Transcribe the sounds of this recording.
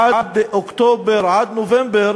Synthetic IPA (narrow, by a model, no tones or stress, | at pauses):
ad̪ʔʊkt̪oːbɪɾʕaːd̪novɛmbɪɾ